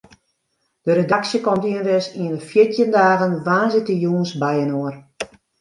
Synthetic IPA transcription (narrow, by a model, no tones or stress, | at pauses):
d̥əɾedaksjəkɔmtiənʋɪsiənəfjɪtʰjəndaːɣənʋaːnzɪtəjuənsbɛjənoər